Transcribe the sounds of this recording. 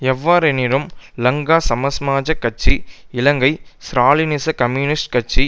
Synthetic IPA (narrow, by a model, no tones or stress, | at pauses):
ɛʋːaːɾɛnɪɾɯmlɐŋɡaːsɐmɐsmaːd͡ʒɐkːɐt͡ʃːiɪlɐŋɡɐɪsɾaːlɪnɪsɐkɐmjuːnɪsʈkɐʈ̚t͡ʃːi